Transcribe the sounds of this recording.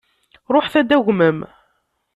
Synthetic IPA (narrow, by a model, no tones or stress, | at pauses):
ɾˤoħθæd̪æʝməm